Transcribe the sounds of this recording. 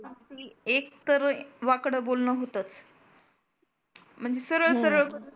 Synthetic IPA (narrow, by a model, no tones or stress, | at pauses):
tiek̚t̪əɾə̃ʋakɽəbolnəːɦot̪at͡s | m̤əɳd͡zesəɾəɭsəɾəɭ